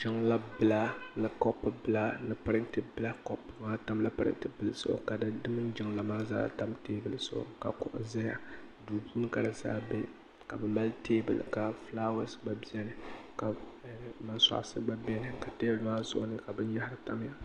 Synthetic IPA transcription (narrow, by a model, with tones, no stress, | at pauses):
d͡ʒɪ˦ŋla˦bɨ˦˨la˦nɨ˨kɔ˦pːɨ˦bɨ˦˨la˦nɨ˨pɨ˦ɾɨ˦ntɨ˦bɨ˦la˦kɔ˦pːŋa˦ta˦mla˦pɨ˦ɾɨ̰˦ntɨ˦bɨ˦lɨ˦sʊ̰˦ʔʊ̰˦ka˨dɨ˦dɨ˦mɨ˦n˦d͡ʒɪ˦ŋla˨maː˦za̰ː˦ta˦mteː˦bɨ˨lsʊ˦ʔʊ̰˨ka̰˨kʊ˦ʔʊ̰˦za˦ja˦ | duː˨buː˦n˦ka˨dɨ˨za̰ː˦bɛ˦ | ka˨bɨ˨ma˦lteː˦bɨ̰˨l̰ka˨fla˦wa˦sɡ͡ba˦bi˦ɛ˦nɨ˦ka˨ma˨sa̰˨ʔsɨ˦ba˦bɛ˦nɨ˨ka˨teː˦bmaː˦zʊ̰˦ʔʊ˦nɨ˦ka˨bɨ˦n˦ja˦ha˦ɾɨ˦ta˦m˦ja˦˨